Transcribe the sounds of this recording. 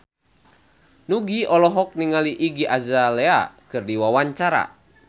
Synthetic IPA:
nuɡiɔlɔɦɔk̚niŋaliʔiɡiʔazalɛa̰kɨrdiwawaɲt͡ʃaɾa̰

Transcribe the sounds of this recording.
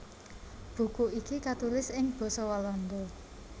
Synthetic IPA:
b̥ṳkuʔikikat̪ulɪsɪŋb̥ɔ̤sɔwalɔnd̪ɔ

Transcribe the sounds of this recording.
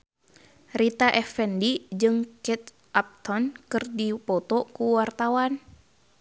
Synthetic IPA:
rit̪aʔɛfɛndid͡ʒɨŋkɛt̪ | ʔap̚t̪ɔnkɨrdipɔt̪ɔkuwart̪awan

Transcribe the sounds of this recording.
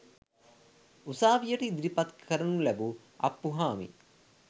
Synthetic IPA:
usaːʋijəʈəid̪ɾipat̪kkʰəɾənulæbu | a̰pːuɦaːmḭ

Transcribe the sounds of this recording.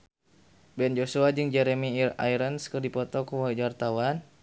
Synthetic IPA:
bɛnd͡ʒosuad͡ʒɨŋd͡ʒɛɾemiira̰jɾənskərdipɔt̪ɔkuwaid͡ʒwart̪awan

